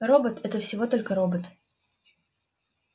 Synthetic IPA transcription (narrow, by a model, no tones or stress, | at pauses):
ro̞bət̪ɛt̪əfsʲɪvo̞t̪o̞lʲkəɾobət̪